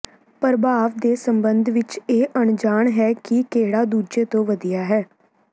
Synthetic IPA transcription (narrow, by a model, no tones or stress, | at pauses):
pəɾbaːʋd̪eːsəmbənd̪ʱʋɪt͡ʃeːʔəɳd͡ʒaːɳɦɛːkɪkeːɽaːd̪uːd͡ʒeːt̪õːʋəd̪ijaːɦɛː